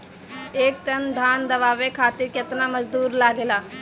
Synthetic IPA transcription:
eːk̚ʈɐnd̪ʱaːnd̪ɐʋaːʋekʰaːt̪ɪɾkɐt̪namɐd͡ʒd̪uːɾlaːɡelaː

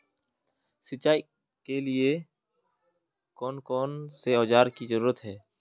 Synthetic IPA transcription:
sɪt͡ʃːaːi | kelie | kɔːnkɔːnseɔːd͡ʒaːɾkizəɾuːɾət̪ɦɛː

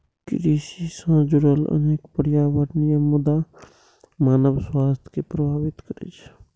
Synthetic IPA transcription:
kɾisisə̃d͡ʒʊɽələ̰neːkpəɾjaʋəɾnijəmud̪a | maːnəbswaːst̪ʰkepɾəbʱaːbit̪kəɾḛt͡ʃʰ

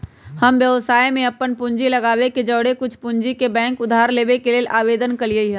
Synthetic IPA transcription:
hɐmʋjəʋsaːjmẽɐpːənpʊ̃ɲd͡ʒilɐɡaːʋeked͡ʒɐːɽekʊt͡ʃʰpʊɲd͡ʒikebɛ̃ːŋkʊd̪ʱaːɾleːʋekeleːlʔaːʋeːd̪ənkɐliəiɦɛ̃

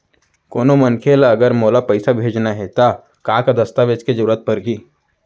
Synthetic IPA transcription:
koːnomɐnkʰeːlɐɡəɾmoːlapɐɪsabʱeːd͡ʒnaɦeːt̪a | kãːkad̪ɐst̪aʋet͡ʃked͡ʒɐɾuːɾət̪̚pɐɾɦiː

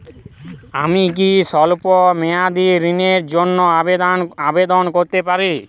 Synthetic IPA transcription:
amik̬isɔlpɔmead̪iɾineɾd͡ʒonːɔaabed̪ɔnkoɾt̪epaɾi

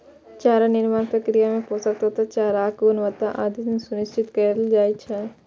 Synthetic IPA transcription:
t͡ʃaːɾanɪɾmaːnpɾəkɾijamẽposɐk̚t̪at̪ʰat͡ʃaːɾaːkɡʊnʋət̪aʔaːd̪ʱisẽsʊnɪst͡ʃʰɪt̪kəɾld͡ʒaːit͡ʃʰɛː

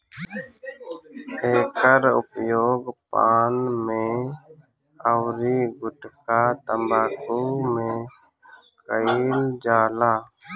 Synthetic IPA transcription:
eːkəɾʊ̰pjoːɡpaːnmẽ | əwɾiɡʊʈkat̪əmbaːkumẽ | kəild͡ʒaːlaː

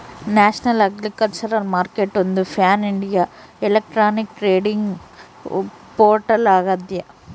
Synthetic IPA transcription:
naːʃnɐlɐɡlikɐlt͡ʃɐɾɐlmaːɾkeʈond̪upʰaːniɳɖijaː | elɐk̚ʈɾaːnik̚ʈɾeːɖiŋɡ | poːɾʈɐlaːɡɐd̪jɐ

